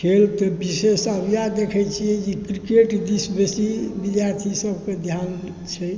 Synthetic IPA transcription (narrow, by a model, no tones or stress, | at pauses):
kʰelt̪ɔbisesəbijad̪ekʰɛjt͡ʃʰijɛd͡ʒikɾikeʈd̪isbesibid̪jaɾt̪ʰisəbʱked̪ʱjan | t͡ʃʰɛ